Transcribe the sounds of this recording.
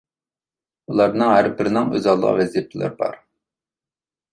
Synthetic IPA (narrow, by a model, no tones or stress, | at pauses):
ulˠɑɾnɨŋɦæɾbɪɾɪnɪŋø̰zɑlˠːə̰ʁ̰vɛzjepʰɪlˠɪ̰ɾbɑ̰ɾ